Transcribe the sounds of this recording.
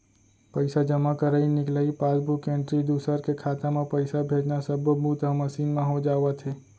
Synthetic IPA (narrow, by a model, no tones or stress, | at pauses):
pəɪsad͡ʒɐmakəɾainɪklaipaːsbʱukẽːɳʈɾid̪uːsəɾkekʰaːt̪ãmẽpəɪsabʱeːd͡ʒnasəbbuːt̪aməsiːnmãɦod͡ʒaːʋat̪ʰeː